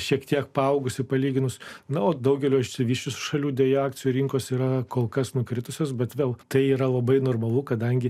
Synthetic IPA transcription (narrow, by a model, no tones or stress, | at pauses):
ʃʲiɛkt̪ʲiɛk̚pɐɐʊɡʊsɪpɐlʲiːɡʲɪnʊsnɐoːd̪ɐʊɡʲɛlʲoːɪʃʲsʲɪʋʲiːʃʲt͡ʃʲʊsʃɐlʲuːd̪ʲʋʲɛjoaːkt̪t͡sʲɪjuɾʲɪŋkoːsiːɾɐkoːlˠkɐsnʊkɾʲɪt̪ʊsʲoːs̬bʲɛt̪ʋʲeːlˠt̪ɐɪiːɾɐlˠɐbɐɪnoːrmɐlˠukɐd̪ɐŋʲɡʲɪ